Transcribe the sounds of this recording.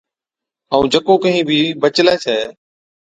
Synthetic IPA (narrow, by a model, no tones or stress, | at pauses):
əũːd͡ʒəkoːkəɦĩːbʱiːbət͡ʃleːsʰɛː